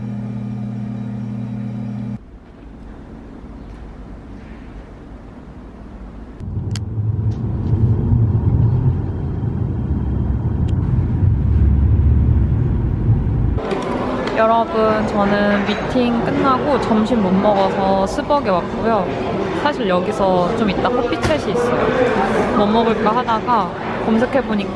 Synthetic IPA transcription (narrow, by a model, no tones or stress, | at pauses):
jʌɾʌbɯnt͡ɕʌnɯnmitʰiŋk͈ɯnːaɡot͡ɕʌmɕʰinmunmːʌɡʌsʰʌsʰɯbʌɡewak̚k͈ojo | sʰaɕʰiɭjʌɡisʰʌt͡ɕomit̚t͈akʰapʰit͡ɕʰaɕʰiːs͈ʌjomʌmːʌɡɯɭk͈aɦadaɡa | kʌmsʰekʰe̞boɲik